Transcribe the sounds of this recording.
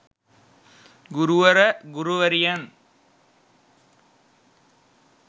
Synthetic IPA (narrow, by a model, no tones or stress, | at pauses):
ɡuɾuʋɐɾɐɡuruʋɐɾijan